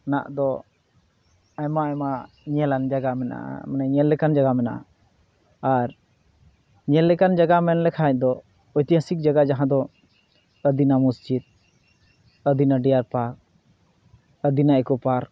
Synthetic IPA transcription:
na̰ʔd̪ɔ | ajmaajma | ɲɛland͡ʒaɡamɛna̰ʔa̰manaɲɛlːɛkand͡ʒaɡamɛnaʔa̰ | aɾ | ɲɛlːɛkand͡ʒaɡamɛnlɛkʰaac̚d̪ɔ | ɔjt̪ijãsik̚d͡ʒaɡad͡ʒaɦãd̪ɔ | əd̪inamusd͡ʒid̪̚ | əd̪inaɖijaɾpak̚ | əd̪inaɛkɔpaɾ

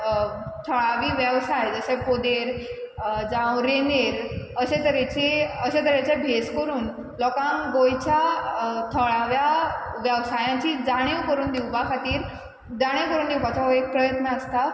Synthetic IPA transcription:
t̪ʰəɭaʋiːʋjəʋsajd͡zəɕsepod̪eɾ | d͡zãwɾeneɾəsẽt̪əɾat͡ɕiəɕẽt̪əɾjat͡ɕabʱeskəɾuːn | lɔkãŋɡojt͡ɕat̪ʰəɭaʋjaʋjəʋsajãt͡ɕid͡zaɽ̃iwkəɾuːnd̪iwpakʰat̪iːɾ | d͡zaɽ̃ewkəɾuːnd̪iwpat͡saek̚pɾəjət̪nəːst̪a

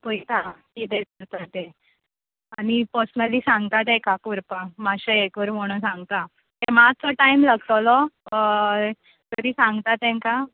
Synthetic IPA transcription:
pojt̪akit̪ekəɾt̪at̪e | anipɔsməlisãŋɡt̪at̪ekakuɾpamaɕeekʋəɾmoɽ̃ə̃sãŋɡt̪a | t̪eɾmat͡sɔʈaimləɡt̪əlɔ | k̪əɾiːsãŋɡt̪at̪ɛ̃ŋka

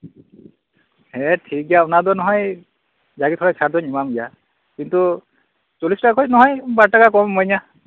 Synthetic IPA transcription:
hɛtʰik̚ɡijaunadɔnɔɦɔj | zaɡitʰɔɹasʰadɔnimamɡija | kintu | t͡ʃɔlistakʰɔjnɔɦɔjbaɹtakakɔmːɔjna

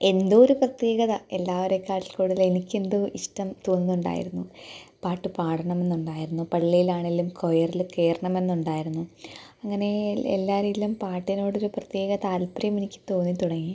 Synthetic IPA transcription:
e̞nd̪oːɾuprɐt̪je̞ːɣɐðɐe̞lːaːʋɐɾe̞kːaːʈːilkoːɽuðile̞nikʲːe̞nd̪ɨiʂʈɐmt̪oːnːinuɳɖa̰ːjḭɾunːupaːʈːɨpaːɽʰɐɳɐme̞nːuɳɖaːjiɾunːupɐɭːijilaːɳelːumkʰojɐrilke̞ːɾɐɳɐme̞nːuɳɖaːjiɾunːuɐŋːɐne̞ḛlːaːɾejilumpaːʈːino̞ːɽo̞ɾuprɐt̪jeːɣɐt̪aːlpɾɐjɐmenikʲːɨ̥t̪o̞ːnːit̪uɽɐŋːi

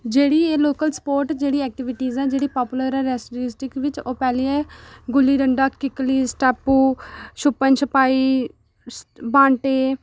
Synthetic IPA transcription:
d͡ʒeːɽiːeːloːkəlspoːɾʈd͡ʒeːɽiːɛːk̚ʈɪʋɪʈiːzɛːd͡ʒeːɽiːpaːpʊləɾɛɾɛːsʈɾɪsʈɪkʋɪt͡ʃoːpɛːliːɛːɡʊlːiːɾəɳɖaːkkːɪkliːsʈɛːpːuːʃʊpːənʃʰəpaːiː | bãːɳʈeː

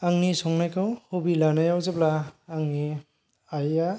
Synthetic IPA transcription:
aŋnisɔŋnajkɯwhubilanajawzeplaːŋni | aja

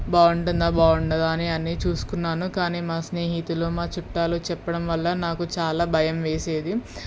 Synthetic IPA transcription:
baːuɳɖund̪aːbaːuɳɖɐd̪aːniɐnːit͡ʃuːsu̥kunːaːnukaːniːmaːsne̞ːɦit̪uloːmaːt͡ʃuʈːaːlut͡ʃɛpːɐɽɐmʋɐlːɐnaːkut͡ʃaːlaːbʱɐjɐmʋe̞ːse̞ːd̪i

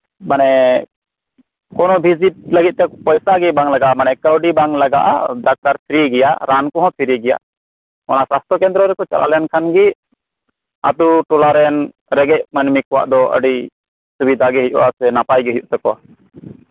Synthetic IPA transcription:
manɛ | kɔnɔbʱizit̪̚ləɡit̪̚t̪ɛpɔjsaɡɛbaŋlaɡaʔmanɛkəwɖibaŋlaɡa̰ʔa̰dak̚t̪aɾpʰiɾiɡɛjaʔɾankɔɦɔ̃pʰiɾiɡɛja̰ʔ | ɔnasast̪ʰɔkɛnd̪ɾɔɾɛkɔt͡ʃa̰lʔa̰lɛnkʰanɡi | a̰t̪uʈɔlaɾɛn | ɾɛɡɛc̚mənmikɔwa̰ʔd̪ɔʔə̰ɖi | subid̪ʱaɡɛɦij̚ṵʔasɛnapajɡɛɦijuʔt̪ɛkɔa

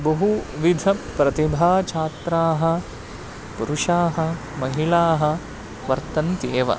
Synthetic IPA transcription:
bɐɦuʋid̪ʱɐpɾɐt̪ibʱaːt͡ʃʰaːt̪ɾaːɦɐ̆ | puɾuʂaːɦɐ̆ | mɐɦiɭaːɦɐ̆ | ʋɐɾt̪ɐnt̪eːʋɐ̰

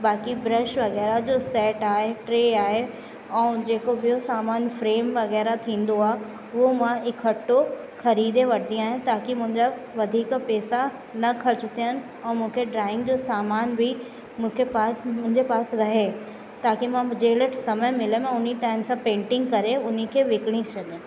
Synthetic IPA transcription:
baːkibɾɐʃʋɐɣɛːɾad͡ʑoːsɛːʈaːɦeʈɾeːaːɦe | ɛ̃ːd͡ʑeːkobiosaːmaːnfɾeːmʋɐɣɛːɾat̪ʰĩːnd̪oaːɦ | omãɪkʰːɐʈːo | xɐɾiːd̪eʋɐʈʰd̪ijaːɦɪ̃t̪aːkimʊ̃ɦɪ̃ɲd͡ʑa | ʋɐd̪ʱiːkpɛːsa | nɐkʰɐɾt͡ɕɪt̪ʰijənɪ̆ | ɛ̃ːmũːkʰeɖɾaːɪ̃ŋɡd͡ʑosaːmaːnbʱɪ | mʊ̃kʰepaːsmʊ̃ɦɪ̃ɲd͡ʑepaːsɾɐɦe | t̪aːkimãd͡ʑeːləʈsɐməɦmɪlemẽʊn̤iʈaːɪmsãpẽːɳʈɪ̃ŋɡkɐɾeʊn̤ikʰeʋɪkɪɽ̃ĩt͡ɕʰɐd̪ẽ

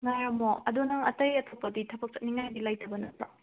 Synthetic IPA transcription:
ŋajamoɐdonɐŋɐtɐjɐtʰopːɐditʰɐbɐk̚t͡ʃɐt̚niŋajdilajtʰɐbɐnɐtʰɾa

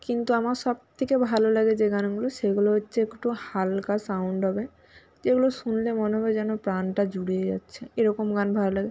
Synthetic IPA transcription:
kint̪uamaɾʃɔb̚t̪ʰekebʱalolaɡed͡ʑeɡanɡuloʃeɡuloɦotːɕʰeekʈuhalkasawɳɖɦɔbe | d͡ʑeɡuloʃunlemoneɦɔbed͡ʑɛnopɾanʈad͡ʑuɽijed͡ʑa̰tːɕʰeeɾɔkomɡanbʱalolaɡe

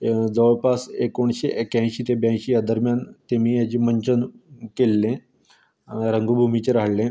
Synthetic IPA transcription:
d͡zəʋɭpasekoɳɕeʔekjãj̃ɕiːt̪ẽbjãɕijad̪əɾmjant̪emiːjat͡ɕiːməɲt͡ɕənkelːẽ | ɾəŋɡubʱumit͡ɕeɾaɦɽlẽ

